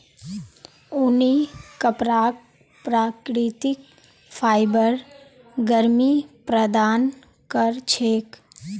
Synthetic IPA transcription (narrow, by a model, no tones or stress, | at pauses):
ʊnikəpɾaː | pɾaːkɾit̪ɪk | pʰaːɪbəɾ | ɡəɾmipɾəd̪aːn | kəɾt͡ʃʰeːk